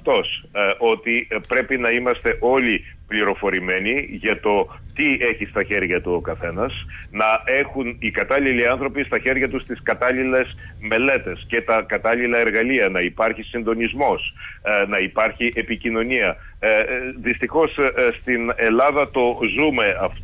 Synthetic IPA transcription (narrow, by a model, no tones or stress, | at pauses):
t̪o̞sʔo̞t̪ipɾe̞pinɐimɐst̪e̞ʔo̞li | pliɾo̞fo̞ɾime̞niʝɐt̪o̞t̪ie̞çist̪ɐçe̞ɾʝɐt̪uokɐθe̞nɐsnɐe̞xunikɐt̪ɐliliɐnθɾo̞pist̪ɐçe̞ɾʝɐt̪ust̪iskɐt̪ɐlile̞s | me̞le̞t̪e̞sce̞t̪ɐkɐt̪ɐlilɐe̞ɾɣɐliɐnɐipɐɾçisind̪o̞nizmo̞snɐipɐɾçiʔepicino̞niɐ | ðist̪ixo̞sst̪ine̞lɐðɐt̪o̞zume̞ɐft̪